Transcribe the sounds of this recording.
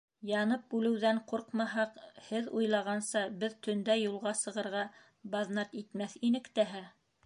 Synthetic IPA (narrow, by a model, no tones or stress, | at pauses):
jɑnɤp̚bʉlɘ̆wðæɴqoɾqmɑɦɑqhɘðujlˠɑʁɑnsɑbɘðt̪ʰɵ̆nd̪æjulˠʁɑsɤ̆ʁɤ̆ɾʁɑ | bɑðnɑt̪it̪mæθinɘ̆kt̪æɦæ